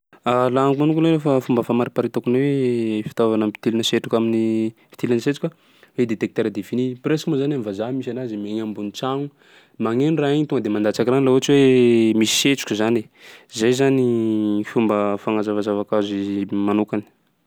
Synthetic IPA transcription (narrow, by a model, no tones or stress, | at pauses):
alaŋkmanukunoɾefafumbəfamaɾipaɾit̪akunewefi̥t̪ovanampi̥t̪ilinəseʈ͡ʂukaminifit̪ilinəset͡sukʲa | wed̪et̪ek̚t̪eɾad̪efinipresmozananivazamisanazimeɲambunit͡saŋu | maŋenraeɲit̪uŋɡəd̪emand̪at͡sakiranilaɦuat͡ʃiwemisi̥set͡su̥kʲuzane | zajzanifumbəfaŋazavazavakazimanukani̥